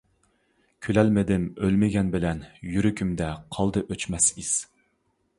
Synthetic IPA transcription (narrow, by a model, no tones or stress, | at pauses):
kʲʰylɛlmɪd̪ɪmølmɪɡʲɛnbɪlɛnjyɾykʲʰymd̪ɛqʰɑlˠd̪ɨʔøt͡ʃmɛsiz̥